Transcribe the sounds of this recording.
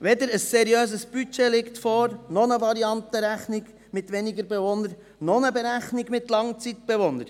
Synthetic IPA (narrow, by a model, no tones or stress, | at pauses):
ʋɛd̪əɾəsːɛɾiøːzəsb̥yt͡ʃelɪkt̪fɔːɾnɔnəʋɑɾiɑnt̪əɾæχnɪɡ | mɪt̪ʋɛniɡəɾbɛʋonəɾ | nɔnəbeɾæχnɪɡmɪt̪lɑŋt͡sit̪̚b̥ɛʋonəɾ